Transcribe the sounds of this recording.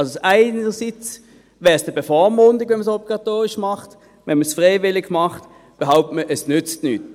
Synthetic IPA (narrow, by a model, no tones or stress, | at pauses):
ɑlsosaɪnəsit͡s | vɛːʁsd̥əbɛfɔmʊndɪɡvɛnməsɔbliɡɑtoːʁɪʃmɑχt | vɛnməsfʁeɪvɪlɪɡmɑχt | b̥eɦaʊp̚tməʔɛsnʏt͡stnyːt